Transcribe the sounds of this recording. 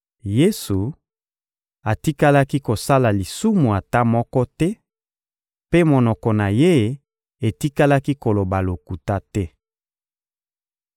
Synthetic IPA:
je˦su˨ | a˨ti˦ka˦la˦ki˦ko˨sa˦la˨li˨su˦mu˨a˨ta˦mɔ˦kɔ˦tɛ˦ | pe˦mo˨nɔ˨kɔ˨na˨je˦˨ | e˨ti˦ka˦la˦ki˦ko˨lo˨ba˨lo˨ku˨ta˦tɛ˦

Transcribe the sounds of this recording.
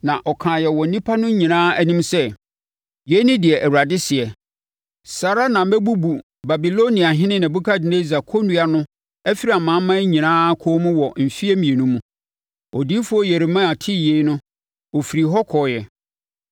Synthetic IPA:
nã˨ʔɔ˨kʰãː˨jɛ˨wɔ˨nĩ˦pʰa˦nʊ̃˦ɲĩ˨nãː˦æ˦nĩ˦msɛ˦ | jɛ˨˦nɪ̃˦dɪ˨ɛ˨ʔæ˨wu˨a˨dɪ˦sɪ˨ɛ˨ | sa˨ɾa˦nã˨m̩˦mɛ˦bu˦bu˨ | ba˨bi˨lo˦nĩ˨a˨ɦɪ̃˦nɪ̃˦nɪ̃˨bu˦kʰa˦dɪ˨ne˦za˨kʰo˦nũ˦a˦nʊ̃˦ | ɛ˦fi˦ɾi˦a˨mãː˨˦mã˦ɲĩ˨nãː˦kʰɔː˦mũ˦wɔ˨m̩˨fi˦ɛ˦mĩ˨e˨nũ˦mũ˦ | o˨di˦fʊ˦ɔ˦jɛ˨ɾɪ˨˦mã˦a˨tʰɪ˦˨je˨˦nʊ̃˦ | ɔ˨fi˨ɾi˨ɦɔ˦kʰɔ˨jɛ˨

